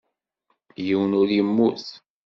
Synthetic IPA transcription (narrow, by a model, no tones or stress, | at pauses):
jiwənʊɾjəmːuθ